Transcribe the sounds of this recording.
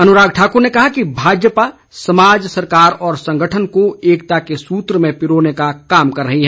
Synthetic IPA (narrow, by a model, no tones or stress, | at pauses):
ɐnʊɾaːɡ̚ʈʰaːkuɾnekɐɦakibʱaːd͡ʒjəpa | sɐmaːd͡ʒsɐɾkaːɾɔːɾsɐ̃ŋɡʱəʈʰənkoeːkt̪akesuːt̪ɾəmẽpɪɾoːnekakaːmkɐɾːɐɦiɦɛ